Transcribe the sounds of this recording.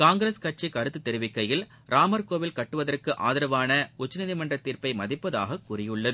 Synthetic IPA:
kaːŋɡɪɾeskɐʈ̚t͡ʃikɐɾɯt̪ːɯt̪ːɛɾɯʋɪkːɐjɪl | ɾʔaːmɐɾkoːʋɪlkɐʈːɯʋɐðɐrkɯʔa̰ːðɪɾɐʋaːnɐʊt͡ʃːɐnɪðɪmɐndrɐt̪ːiːɾpɐɪmɐðɪpːɐða̰ːɣɐkurɪjɯɭːɐðɯ

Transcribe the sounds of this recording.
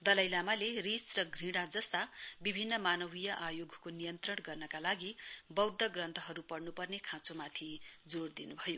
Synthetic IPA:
d̪ʌlʌjlamalerisrʌɡrĩɽad͡zʌst̪abibʱinːʌmanʌbijʌʔajoɡʱkonijʌnt̪rʌɽɡʌrnʌkalaɡibʌwd̪ːʌɡrʌnt̪ʰʌɦʌɾupʌrnupʌrnekʰãt͡somat̪ʰid͡zord̪inubʱʌjo

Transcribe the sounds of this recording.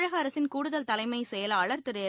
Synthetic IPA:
ɻɐɣɐːɾɐsɪnkuːɽɯðɐlt̪ɐlɐɪmɐɪsɛjɐlɐɭɐɾt̪ɯɾɐjɐ

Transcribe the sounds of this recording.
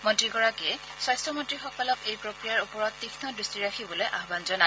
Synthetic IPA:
mɔntɹiɡɔɹakiɛ | swastɹɔmɔntɹixɔkɔlɔkejpɹokɹijaɹupɔɹɔtːixnɔdɹistiɹaxʰibɔlojʔaɦbanzɔna

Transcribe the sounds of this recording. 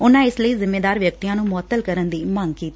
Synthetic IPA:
ʊnãːɪsləiːzɪmːeːd̪aːɾʋjək̚t̪ijãːnũːmʊət̪ːəlkəɾənd̪iːməŋɡkiːt̪ː

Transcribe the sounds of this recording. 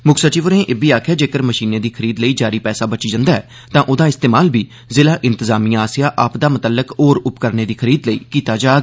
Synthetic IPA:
mʊkʰsət͡ʃiːʋəɾnẽːʔebiːaːkʰjaːd͡ʒeːkəɾməʃiːneːd̪iːkʰəɾiːd̪ləiːd͡ʒaːɾiːpɛːsaːbət͡ʃiːd͡ʒə̃nd̪aːɛ̰ː | t̪ãːʔoːd̪aːɪst̪eːmaːlbiː | zɪlaːʔɪ̃nt̪əzaːmijãːaːsɪjaːʔaːpd̪aːmʊt̪əlːəkoːɾʊpkəɾneːd̪iːkʰəɾiːd̪ləḭːkiːt̪aːd͡ʒaːɡ

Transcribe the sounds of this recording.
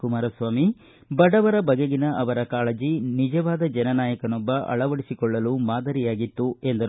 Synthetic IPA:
kumaːɾɐsʋaːmi | bɐɽɐʋɐɾɐbɐɡeɡinɐʔɐʋɐɾɐkaːɭɐd͡ʒinid͡ʒɐʋaːd̪ɐd͡ʒɛnɐnaːjɐkɐnɔbːɐʔɐ̰ɭɐʋɐɽisikɔɭːɐlumaːd̪ɐɾijaːɡit̪ːue̞nd̪ɐɾ

